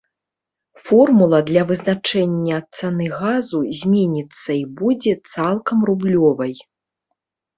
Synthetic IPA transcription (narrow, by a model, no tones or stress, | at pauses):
fɔrmulˠɐd̪lʲɐvɨznat͡ʂɛnʲːɐːt̪̚sanɨɣazuzʲmʲenʲit̪sːɐibud͡zʲɛt̪salˠkɐmrublʲɔvɐj